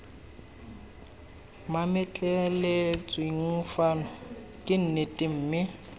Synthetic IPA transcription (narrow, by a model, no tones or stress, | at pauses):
mamɪt͡ɬʼelet͡sʼwɪiŋ̩fanɔ | kʼɪn̩nɪtʼɪm̩ːmɪ